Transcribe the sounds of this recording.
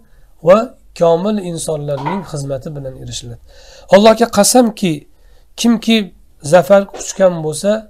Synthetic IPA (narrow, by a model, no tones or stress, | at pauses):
va | kʲʰɒmɪlɪnsɒnlaɾnɪŋχɨzmat̪ʰɪbɪlaneɾɪʃɪlad̪ɪɒlˠːɒhɡʲaqʰɑsamkʲʰɪ | kʲʰɪmkʲʰɪ | zafaɾkʰʊ̥t͡ʃkʲanbolˠsa